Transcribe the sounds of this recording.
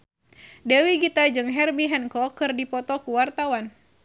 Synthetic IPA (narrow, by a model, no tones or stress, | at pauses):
dɛwiɡit̪ad͡ʒɨŋɦɛrbiɦɛnkɔkɨrdipɔt̪ɔkuwart̪awan